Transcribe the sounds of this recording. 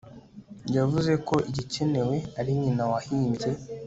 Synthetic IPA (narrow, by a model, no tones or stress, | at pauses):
javuze̞ko̞ʔiɟice̞ne̞we̞aɾiɲinawahiːmbɟe̞